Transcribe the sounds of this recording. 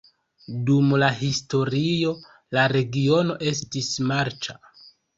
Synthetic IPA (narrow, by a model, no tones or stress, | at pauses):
dumlaɦisto̞ɾio̞ | laɾe̞ɡio̞no̞ʔe̞s̬tismaɾt͡ʃa